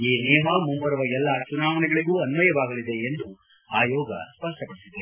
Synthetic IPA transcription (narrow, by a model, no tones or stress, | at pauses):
iːnɛːmaːmumbɐɾɐʋɐɛlːɐt͡ʃunaːʋɐnɛɡɐɭiɡuːɐnʋɐjɐʋaːɡɐlid̪e̞ːnd̪u | aːjɔːɡɐ̰spɐsʈɐpɐɽisid̪ɐ